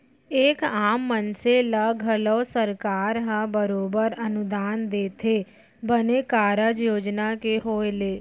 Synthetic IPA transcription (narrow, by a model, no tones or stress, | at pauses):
eːkaːmːənseləɡʱəlɔːsəɾkaːɾɦãbəɾoːbəɾənʊd̪aːnd̪eːt̪ʰeː | bəneːkaːɾəd͡ʒjoːd͡ʒnaːkeɦoːeleː